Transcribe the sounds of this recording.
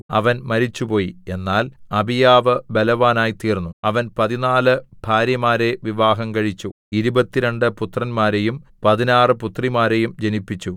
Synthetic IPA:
ɐ̰ʋɐnmɐɾit͡ɕːupo̞ːjie̞nːaːlɐbʱijaːʋɨbelɐʋaːnaːjit̪iːrnːuɐʋɐnpɐðinaːlɨbʱaːɾjɐmaːɾe̞ʋiʋaːɦɐmkɐɻit͡ɕːu | iɾubɐt̪ːiɾe̞ɳɖɨput̪rɐnmaːɾe̞jumpɐðinaːrɨput̪rimaːɾe̞jumd͡ʑenipːit͡ɕːu

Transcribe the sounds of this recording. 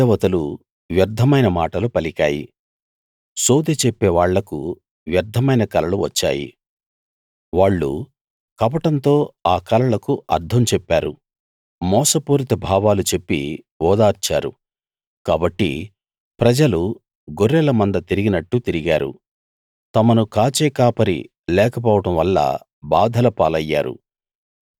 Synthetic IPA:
ɐʋɐt̪ɐlu | ʋjɐɾd̪ʱːɐmɐjnɐmaːʈɐlupɐlikaːjḭ | soːd̪et͡ʃepːeːʋaːɭːɐkṵ | ʋjɐɾd̪ʱːɐmɐjnɐkɐlɐluʋɐ̰t͡ʃːa̰ːjḭ | ʋaːɭːṵ | kɐpɐʈɐnt̪o̞ːaːkɐlɐɭɐkuʔɐ̰ɾd̪ʱɐmt͡ʃɛpːaːɾṵ | mɔːsɐpuːɾit̪ɐbʱaːʋaːlut͡ʃe̞pːḭ | ɔːd̪aːɾt͡ʃaːɾṵ | kaːbɐʈːḭ | pɾɐd͡ʒɐlu | ɡoɾːɛlɐmɐnd̪ɐt̪iɾiɡinɐʈːut̪iɾiɡaːɾṵ | t̪ɐmɐnukaːt͡ʃɛːkaːpɐɾḭ | lɛːkɐp̬ɔːʋɐʈɐmʋɐlːɐ̰ | baːd̪ʱɐlɐpaːlɐjːa̰ːɾṵ

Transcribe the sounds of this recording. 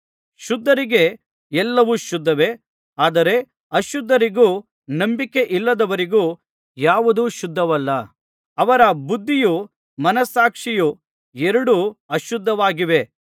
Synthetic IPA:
ʃud̪ʱːɐɾiɡe | ɛlːɐʋuʃud̪ʱːɐʋe̞ | aːd̪ɐɾe̞ | ɐʃud̪ʱːɐɾiɡuː | nɐmbike̞ʔilːɐd̪ɐʋɐɾiɡuː | jaːʋud̪uʃud̪ʱːɐʋɐlːɐ | ɐʋɐɾɐbud̪ʱːiju | mɐnɐsaːkʂiju | ɛɾɐɽuɐʃud̪ʱːɐʋaːɡiʋe̞

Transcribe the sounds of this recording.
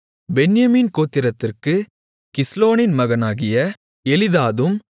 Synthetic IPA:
bɛnjɐmiːnkoːt̪ːɪɾɐt̪ːɪrkɯ | kɪsloːnɪnmɐɣɐnaːɣɪjɐ | ɛlɪðaːðɯm

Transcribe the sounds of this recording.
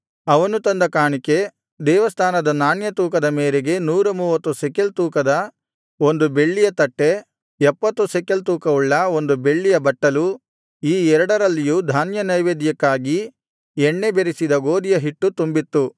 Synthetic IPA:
ɐʋɐnut̪ɐnd̪ɐkaːɳike̞ | d̪ɛːʋɐst̪ʰaːnɐd̪ɐnaːnjɐt̪uːk̬ɐd̪ɐmeːɾeɡe̞nuːɾɐmuːʋɐt̪ːusɛkelt̪uːkɐd̪ɐ | o̞nd̪ube̞ɭːijɐt̪ɐʈːe | ɛpːɐt̪ːusekelt̪uːkɐuɭːɐo̞nd̪ube̞ɭːijɐbɐʈːɐlu | iːɛɾɐɽɐɾɐlːijud̪ʱaːnjɐnɐjʋeːd̪jɐkːaːɡi | ɛɳːebeɾisid̪ɐɡo̞ːd̪ijɐɦiʈːut̪umbit̪ːu

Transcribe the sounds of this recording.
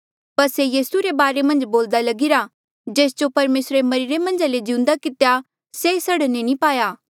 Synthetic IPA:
pɐɾsejiːsuɾebaːɾemɐ̃nd͡ʒboːld̪alɐɡɪɾa | d͡ʒeːsd͡ʒopɐɾmeːsɾemɐɾiɾemɐ̃nd͡ʒaled͡ʒɪ̃ʊ̃nd̪akɪt̪eja | sesɐɽnenĩpaːjaː

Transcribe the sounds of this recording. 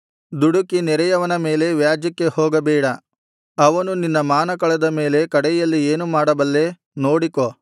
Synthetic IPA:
d̪uɽukinɛɾɐjɐʋɐnɐme̞ːle̞ʋjaːd͡ʒjɐkːe̞hoːɡɐbɛːɽɐ | ɐʋɐnuninːɐmaːnɐkɐɭɐd̪ɐme̞ːle̞kɐɽɛjɐlːieːnumaːɽɐbɐlːe̞ | no̞ːɽiko

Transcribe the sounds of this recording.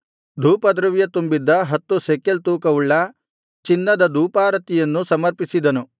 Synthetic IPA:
d̪ʱuːpɐd̪ɾɐʋjɐt̪umbid̪ːɐɦɐt̪ːusekːelt̪uːkɐʋuɭːɐ | t͡ʃinːɐd̪ɐd̪uːpaːɾɐt̪ijɐnːusɐmɐɾpisid̪ɐnu

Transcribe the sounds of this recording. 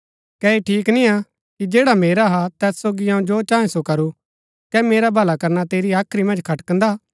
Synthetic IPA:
kɛːeʈʰiːknĩa | kid͡ʒeːɽameːɾaɦat̪ɛːssoːɡiɦãũd͡ʒoːt͡ʃãːẽsokɐɾu | kɛmeːɾabʱɐlakɐɾnat̪eːɾiaːkʰɾimɐ̃nd͡ʒkʰɐʈkɐ̃nd̪a

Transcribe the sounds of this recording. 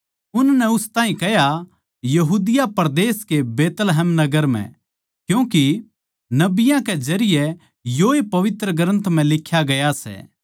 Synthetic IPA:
ʊnnɛʊst̪aːɦĩkɛɦja | jɐɦuːd̪ɪjapɐɾd̪eːskebeːt̪lɦɛːmnɐɡəɾm̤ɛ̰̃ | kjũːki | nɐbɪjãked͡ʒɐɾɪjɛ | joepɐʋɪt̪ɾəɡɾə̃nt̪m̤ɛ̃lɪkʰːjaɡɐjasɛ̰

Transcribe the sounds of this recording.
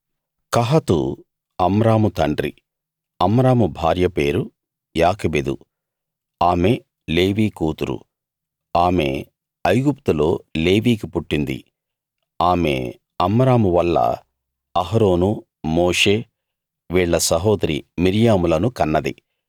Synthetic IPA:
kɐɦɐt̪ṵ | ɐmɾaːmut̪ɐɳɖɾḭ | ɐmɾaːmubʱaːɾjɐpe̞ːɾu | jaːkɐbed̪ṵ | aːme | le̞ːʋiːkuːt̪uɾṵ | aːme̞̰ | ɐjɡupt̪ulo̞ːle̞ːʋiːkipuʈːind̪ḭ | aːme̞̰ | ɐmɾaːmuʋɐlːɐ̰ | ɐɦɾo̞ːnu | moːʂe̞ː | ʋiːɭːɐsɐɦɔːd̪ɾḭmiɾjaːmulɐnukɐnːɐd̪ḭ

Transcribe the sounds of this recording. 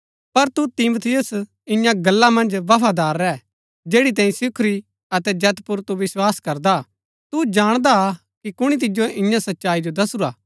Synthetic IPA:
pɐɾt̪ut̪ɪmot̪ʰɪjʊs | ɪ̃jãɡɐlːamɐ̃nd͡ʒʋɐpʰad̪aːɾːɛː | d͡ʒeːɽit̪̬ãːĩsɪkʰɾi | ɐt̪ɛd͡ʒɛt̪pʊɾt̪uʋɪswaːskɐɾd̪a | t̪ud͡ʒaːɽ̃d̪a | kikʊɽ̃it̪̬ɪd͡ʒjoʔɪ̃jãsɐtːʃaːid͡ʒod̪ɐsuɾaː

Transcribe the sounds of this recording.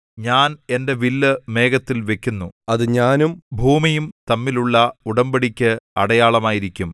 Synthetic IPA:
ɲaːne̞nde̞ʋilːɨme̞ːɡɐt̪ːilʋe̞kʲːunːuɐðɨɲaːnumbʱuːmijumt̪ɐmːiluɭːɐuɽɐmbɐɽikʲːɨɐɽɐjaːɭɐmaːjiɾikʲːum

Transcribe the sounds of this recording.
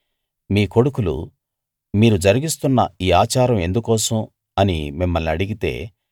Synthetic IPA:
miːko̞ɽukulṵ | miːɾud͡ʒɐɾiɡist̪unːɐiːaːt͡ʃaːɾɐme̞nd̪ukɔːsɐm | ɐnḭmimːɐlnɐɽiɡit̪e̞̰ː

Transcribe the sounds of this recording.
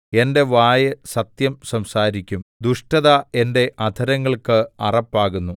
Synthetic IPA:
e̞nde̞ʋaːjɐsɐt̪jɐmsɐmsaːɾikʲːumd̪uʂʈɐðae̞nde̞ʔɐd̪ʱɐɾɐŋːɐɭkɨɐrɐpːaːɣunːu

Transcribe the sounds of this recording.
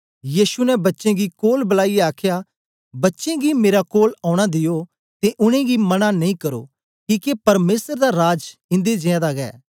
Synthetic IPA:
jiːʃunɛbɐtːʃẽɡikoːlbɐlaːieaːkʰja | bɐtːʃẽɡimeːɾakoːlaːʊɽ̃ad̪ɪjo | t̪eʔʊɽ̃ẽɡimɐnanɐĩkɐɾo̰ː | kiːkepɐɾmeːsəɾd̪aɾaːd͡ʒɪ̃nd̪ed͡ʒẽãd̪aɡɛ̰ː

